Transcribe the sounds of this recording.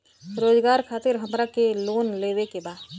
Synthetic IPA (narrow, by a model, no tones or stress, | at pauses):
ɾoːd͡ʒɡaːɾkʰaːt̪ɪɾɦəmɾakeloːnleːwekebaːd̪